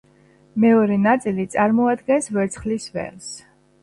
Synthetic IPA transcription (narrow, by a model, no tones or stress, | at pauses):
mɛɔɾɛnat̪sʼilit̪sʼaɾmɔad̪ɡɛnsvɛɾt̪sʰχlisvɛ̰ls